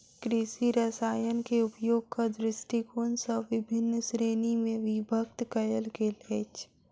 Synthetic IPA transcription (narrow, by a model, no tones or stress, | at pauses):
kɾisiɾəsaːjənkeʊpjoːɡ̚kad̪ɾɪsʈikoːnsɔʋɪbʱɪnːsɾeːnimẽʋɪbʱək̚t̪kɐjəlkeleːt͡ʃ